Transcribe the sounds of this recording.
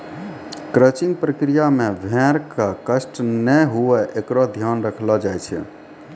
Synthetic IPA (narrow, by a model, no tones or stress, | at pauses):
kɾət͡ʃiŋɡpɾəkɾijamebʱɛ̃ɾkakəsʈnəɦuɛʔekɾɔd̪ʱjanɾəkʰlɔd͡ʒajt͡ʃʰɛ̰